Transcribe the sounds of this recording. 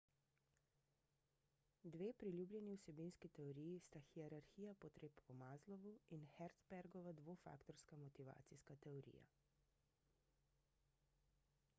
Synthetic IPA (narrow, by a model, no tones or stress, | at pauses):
d̪ʋeːpɾiljuːbljʲɛniwsɛbinskit̪ɛɔɾijːst̪axiɛɾaɾxijapɔt̪ɾeːppɔmaːzlɔʋuinxɛɾt̪sbɛɾɡɔʋad̪ʋofa̰ːkt̪ɔɾskamɔt̪iʋa̰ːt̪siskat̪ɛɔɾḭja̰